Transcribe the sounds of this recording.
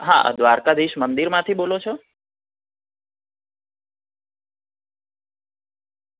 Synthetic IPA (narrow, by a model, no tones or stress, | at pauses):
ɦa̰d̪ʋaɾkad̪iʃmənd̪iɾmãt̪ʰibolot͡ʃʰɔ